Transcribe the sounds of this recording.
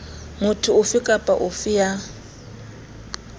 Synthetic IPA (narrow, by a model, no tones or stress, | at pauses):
mʊtʰʊʊfɪkʼapʼa̰ʔʊfɪja